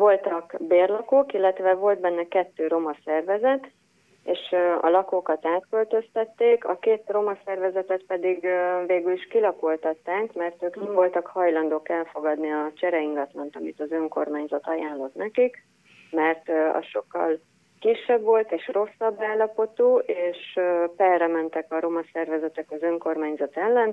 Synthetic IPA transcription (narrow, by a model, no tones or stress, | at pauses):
vo̞lt̪ɒkbeːrlɒkoːkilːɛt̪ʋɛvo̞lt̪̚bɛnːɛkɛt̪ːøːɾo̞mɒsɛrvɛzɛt̪ | eːʃɒ̰lɒkoːkɒt̪aːt̪kø̞lt̪ø̞st̪ɛt̪ːeːkɒ̰keːt̪ro̞mɒsɛrvɛzɛt̪ɛt̪pɛd̪iɡveːɡyliʃkilɒkolt̪ɒt̪ːaːŋkmɛrt̪øːknɛɱvo̞lt̪ɒkhɒjlɒnd̪oːkɛlfo̞ɡɒd̪niɒt͡ʃɛɾɛiŋɡɒt̪lɒnt̪ɒmit̪ɒzø̞ŋko̞̰rmaːɲzɒt̪ɒjaːnlo̞t̪nɛkik | mɛrt̪ɒ̰ʃo̞kːɒ̰l | kiʃːɛbʋo̞lt̪eːʃro̞sːɒbːaːlːɒpo̞t̪uːʔeːʃpɛrɛmɛnt̪ɛkɒɾo̞mɒsɛrvɛzɛt̪ɛkɒzø̞ŋko̞rmaːɲzɒt̪ɛlːɛn